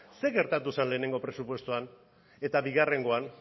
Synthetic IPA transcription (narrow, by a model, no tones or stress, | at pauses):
se̞ɣe̞ɾt̪at̪usanle̞ːne̞ŋɡo̞pɾe̞supwe̞st̪uan | e̞t̪aβiɣ̞are̞ŋɡo̞an